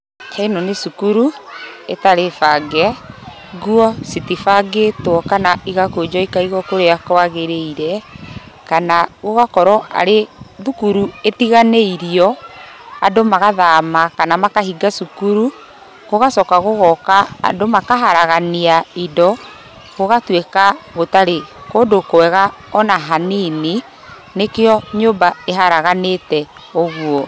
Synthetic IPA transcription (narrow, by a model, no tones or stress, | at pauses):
kʰainɔnesukuɾuetaɾefaɡɛ | ɣwɔsitifaɡetwɔkanaiɣakod͡ʒɔikaiɣɔkoɾeakwaɣeɾeiɾɛ | kanaɣoɣakɔɾɔʔa̰ɾeðukuɾuetiɣaneiɾiɔ | adomaɣaðamakanamakaɦiɡasukuɾu | ɣoɣasɔkaɣoɣɔka̰ːdomakaɦaɾaɣaniaidɔ | ɣoɣatwekaɣotaɾekoːndokoɛɣa | ɔnaɦaniːni | nekeɔɲombaeɦaɾaɣanetɛ | oɣwɔ